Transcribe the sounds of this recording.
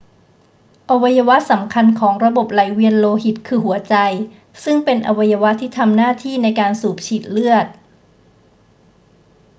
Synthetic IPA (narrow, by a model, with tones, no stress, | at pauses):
ʔa˧wa˧jːa˧wa˦˥sa˩˦mkʰa˧nkʰɔː˩˦ŋɾa˧bo˨˩p̚la˩˦jwi˧ənloː˧hi˨˩t̪̚kʰɯː˧ɦu˩˦ɐt͡ɕa˧j | sɯ˥˩ŋpe˧nʔa˧wa˧ja˧wa˦˥t̪ʰːiː˥˩t̪ʰa˧mnaː˥˩t̪ʰiː˥˩na˧jkaː˧nsuː˨˩p̚t͡ɕʰiː˨˩t̪̚lɯ˥˩ət̪̚